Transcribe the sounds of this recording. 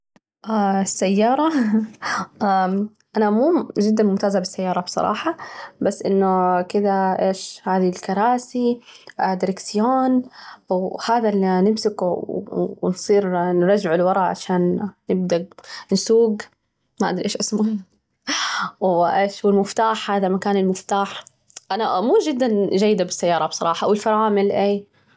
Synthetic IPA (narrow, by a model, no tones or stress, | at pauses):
ʔasːajːɑːɾˤɑ | a | ʔanamuːd͡ʒɪd̪ːanmʊmt̪aːzabɪsːajːɑːɾˤɑbsˤɑ̰ɾˤɑ̰ːħɑbasːʔɪnːʊkɪd̪aʔeːʃhaːðilkɑɾˤɑːsid̪ɪɾɪksɪjoːn | haːðalːinɪmsɪkː | nsˤiːɾnɾˤɑd͡ʒɪʕɪlwɑɾˤɑʕa̰ʃaːnːɪb̚d̪ansuːɡ | maʔad̪ɾiʔeːʃʔasmʊ | wʔeːʃwɪlmʊft̪aːħhaːðamakaːnɪlmʊft̪aːħ | ʔanamuːʒɪd̪ːanʒajːd̪abɪsːajːɑːɾˤɑbsˤɑɾˤɑːħɑʔawɪlfɑɾˤɑːmɪlʔeː